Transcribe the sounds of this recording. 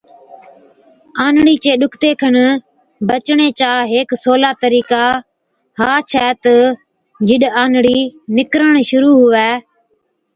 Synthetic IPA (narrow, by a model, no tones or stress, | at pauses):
aːnɽiːt͡ʃeːɗʊkʰt̪eːkʰən | bət͡ʃɳeːt͡ʃaːɦeːksoːlaːt̪əɾiːkaː | ɦaːt͡ʃʰɛːt̪ə | d͡ʒɪɗaːnɽiːnɪkɾəɳ̃ʃʊɾuːɦʊʋɛː